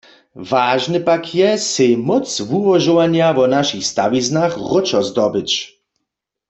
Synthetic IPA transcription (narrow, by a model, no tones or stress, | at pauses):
vaːʒnɨpakʰjɛsejmɔt͡svuvɔʒɔwaɲjavɔnaʃixst̪awiznaxʁɔt͡ʃɔzd̪ɔbɪt͡ɕ